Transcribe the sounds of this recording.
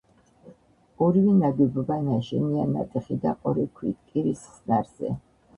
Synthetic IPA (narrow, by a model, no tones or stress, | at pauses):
ɔɾivinaɡ̪ɛbɔbanaʃiniana̰t̪ʼɛχid̪aqʼɔɾikʰwit̪kʼiɾissnaɾz̥ɛ̰